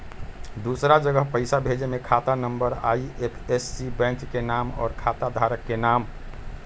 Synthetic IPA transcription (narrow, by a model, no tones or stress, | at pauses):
d̪usɾad͡ʒəɡəɦpəɪsabʱed͡ʒemekʰat̪anəmbəɾaiepʰesːibɛ̃ŋkkenamɔ̰ːɾkʰat̪ad̪ʱaɾəkːenam